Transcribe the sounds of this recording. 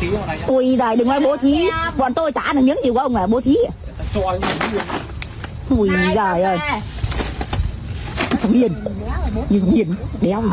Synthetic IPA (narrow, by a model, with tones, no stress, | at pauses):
ʔu˨˧˩jzaː˨˩jɗɨ˨˩ŋlaː˧˦jɓo˨˦t̪ʰi˨˦ɓɔ̰˧˨nt̪o˧jt͡ɕa̰ː˧˥˨nɨ˨˩ɲɨ̰˧˥ŋzi˨˩kːʔə˧ŋ͡mlaː˨˩ɓo˨˦t̪ʰi˨˦˨ | ʔu˨˧˩jzaː˨˩jʔo˨˩j | xə˧˩ŋ͡mi˧˩ən | ɲɨ˧˩xə˧˩ŋ͡mhi˧˩ənɗe˨˦ə˧ŋ͡m